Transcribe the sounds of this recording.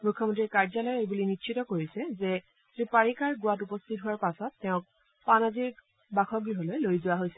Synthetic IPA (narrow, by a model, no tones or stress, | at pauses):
mukʰːɔmɔntɹiɹkaɹzalɔjejbulinitʃʰitɔkoɹisɛzɛ | sɹipaɹikaɹɡʊwatupɔstʰit̚ɦʊaɹpasɔtːɛʊ̃k̚ | panaziɹ | baxʰɔɡɹiɦɔlojlojzʊwaɦojsɛ